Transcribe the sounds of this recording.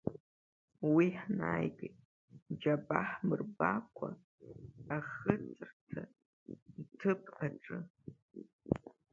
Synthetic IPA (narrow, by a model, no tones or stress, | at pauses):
wiħnaːjkʼetʼ | d͡ʒabaħmɨrbakʷʰa̰ː | χɨt͡sʰʼɨrtʰa | ntʰɨpʰʼaʈ͡ʂʼɨ